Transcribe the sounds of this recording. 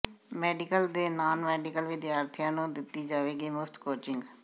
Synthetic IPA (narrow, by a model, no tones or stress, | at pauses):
mɛːɖɪkəld̪eːnaːnmɛːɖɪkəlʋɪd̪jaːɾt̪ʰɪjãːnũːd̪ɪt̪ːiːd͡ʒaːʋeːɡiːmʊfʰt̪koːt͡ʃɪŋɡ